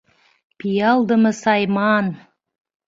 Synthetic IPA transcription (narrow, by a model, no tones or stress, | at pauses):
pijɑlˠd̪əməsɑjmɑn